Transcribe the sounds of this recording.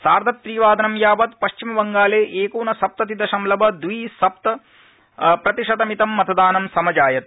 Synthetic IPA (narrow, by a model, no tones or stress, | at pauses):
saːɾd̪ʱɐt̪ːɾiːʋaːd̪ʱɐnɐmjaːbɐt̪pɐʃt͡ʃimɐʋɐŋɡaːleːʔeːkuːnɐsɐp̚t̪ɐt̪id̪ɐʃɐmlɐbɐd̪ʋiːsɐp̚t̪ɐ | pɾɐt̪iʂɐd̪ɐmit̪ɐmːɐt̪ʰɐd̪aːnɐmsɐmɐd͡ʒaːjɐt̪̚